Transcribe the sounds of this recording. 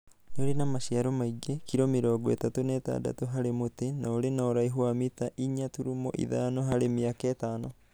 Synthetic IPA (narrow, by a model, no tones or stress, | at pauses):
ɲoɾinamaʃiaɾɔmaiɡekiɾomiɾɔːɡɔḛtatonɛta̰da̰toɦaɾemotenaoɾenaoɾaiɦuamitaʔiɲatuɾumɔ̰ʔḭðanɔɦaɾemiakɛːtaːnɔ